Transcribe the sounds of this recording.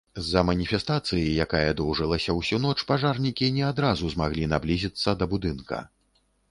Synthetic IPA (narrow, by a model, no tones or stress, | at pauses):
zːɐmɐnʲifʲɛst̪at̪sɨjijakajɐd̪ɔwʐɨlˠɐsʲɐwsʲunɔt͡ʂpaʐarnʲikʲinʲɛad̪ɾazuzmaɣlʲinablʲizʲit̪sːɐd̪ɐbud̪ɨnkɐ̰